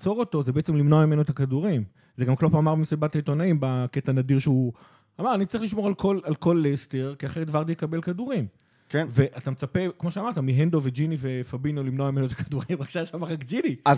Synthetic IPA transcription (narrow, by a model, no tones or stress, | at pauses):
t͡so̞ʁot̪o̞zebeʔet͡semlimno̞amime̞noet̪akaduʁim | zeɡamklopaːmaʁbimsibat̪ait̪o̞naimbaket̪anadiʁʃeu | amaʁanitt͡sʁiχliʃmo̞ʁalkolalko̞lːest̪eʁkiaχeʁet̪vaʁd̪ijekabe̞lkaduʁim | kenve̞ʔat̪amet͡sape̞kmo̞ʃeamaʁt̪amiɦend̪o̞ved͡ʒinive̞fabinolimnoamimenoetakad̪uʁimʁaɡʃaʃamaʁakd͡ʒidia